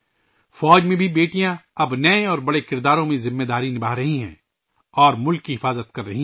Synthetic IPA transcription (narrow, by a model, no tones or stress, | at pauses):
fɔːd͡ʒmẽbʱibeːʈijãɐbnɐẽɔːɾbɐɽekɪɾd̪aːɾõmẽzɪmːed̪aːɾinɪbaːɦɾɐɦiɦɛ̰̃ː | ɔːɾmʊlkːiɦɪfaːzət̪kɐɾːɐɦĩ